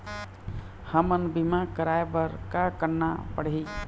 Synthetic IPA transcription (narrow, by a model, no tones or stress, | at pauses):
həmənbimakəɾaebəɾkakəɾnapəɽɦi